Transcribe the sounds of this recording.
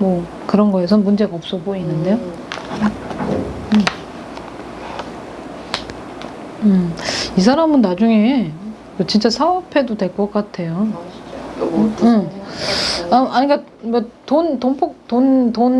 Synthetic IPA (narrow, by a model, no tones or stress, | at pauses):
mʌ | kɯɾʌnɡʌesʰʌmund͡ʑe̞ɡaʌp̚s͈ʌboinːɯnde̞jo | ɯisʰaɾamɯnːad͡ʑuŋe̞ | mot͡ɕint͡ɕ͈asʰaʌpʰe̞dode̞ɭk͈ʌk͈atʰe̞jo | ɯ | aʔaɲik͈a | mʌtontonpʰok̚tonton